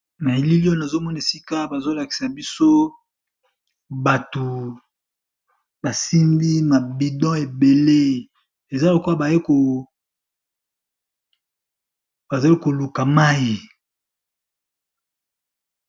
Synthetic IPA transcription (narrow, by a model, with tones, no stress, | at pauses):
na˨e˨li˦lo˦na˨zo˦mɔ˦n˨e˨si˦ka˦ba˨zo˦la˨ki̥˨sa˨bi˦so˦ | ba˨tu˨ | ba˨si˦ndi˦ma˨bi˨dɔ̃˦e˨be˨le˦ | e˨za˦lo˨ko˦a˨ba˨je˦ko˨ | b̥a˨za˨li˦ko˨lu˨ka˨ma˦ji˨